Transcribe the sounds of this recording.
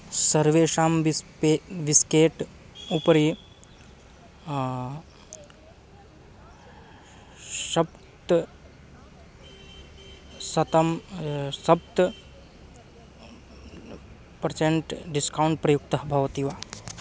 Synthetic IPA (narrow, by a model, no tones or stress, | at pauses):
sɐɾʋeːʃaːmpeʋiskeːʈ | upɾi | ʃɐb | t̪ | sɐt̪ɐmsɐb̚t̪ | pɐɾt͡ʃeɳʈɖiskauɳʈ̚pɾɐjuk̚t̪ɐɦbʱɐʋɐt̪iʋaː